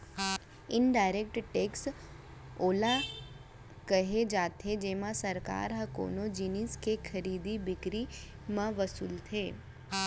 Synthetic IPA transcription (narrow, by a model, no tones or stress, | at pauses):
ɪnɖajɾek̚ʈʈeks | ola | kəɦed͡ʒat̪ʰed͡ʒemãsəɾka̰ɾɦəko̰nod͡ʒiniskekʰəɾid̪ibɪkɾi | mãʋəsṵːlt̪ʰe